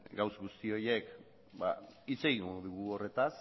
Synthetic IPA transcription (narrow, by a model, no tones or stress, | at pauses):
ɡawsɡust̪io̞jek | ba̰it͡se̞ɣiŋɡoðuɣuo̞re̞t̪as